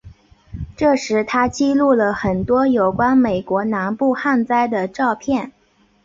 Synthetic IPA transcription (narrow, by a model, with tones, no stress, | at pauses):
ʈ͡ʂɤ˥˩ʂɻ̩˧˥t̪ʰa˥t͡ɕi˥˧lu˥˩lə˩xə˨˩nt̪wɔ˥jo˨˩ʊkwa˥nme˨˩ɪkwɔ˧˥na˧˥npu˥˧xa˥˧nt͡sa˥˩ɪd̪ə˨ʈ͡ʂɑ˥˧ʊpʰjɛ˥˩n